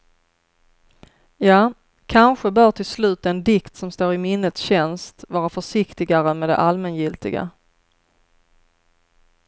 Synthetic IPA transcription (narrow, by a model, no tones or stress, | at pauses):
jɑː | kʰanɧəbœːʈʰɪlslʉ̟ːt̪ɛnd̪ɪkt̪sɔmst̪oːɾɪmɪnːət̪sɕɛnst̪vɑːɾafœʂɪkt̪ɪɡaɾəmɛd̪ɛ̰ʔalmɛnjɪlt̪ɪɡa̰